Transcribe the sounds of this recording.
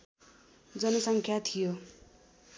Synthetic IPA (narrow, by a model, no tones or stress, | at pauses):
d͡zʌnʌsʌŋkʰjat̪ʰijo